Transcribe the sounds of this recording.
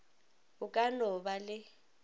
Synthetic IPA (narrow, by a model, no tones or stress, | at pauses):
ukʼanɔɓalɪ